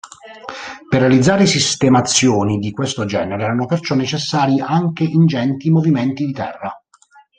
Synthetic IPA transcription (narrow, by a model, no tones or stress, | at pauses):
perːealid̪zːaːɾesist̪emat̪sːjoːnid̪ikwest̪od͡ʒɛːneɾeɛːɾanopert͡ʃɔnːet͡ʃesːaːɾiʔaŋkeʔind͡ʒɛnt̪imoviment̪id̪it̪ɛ̰rːa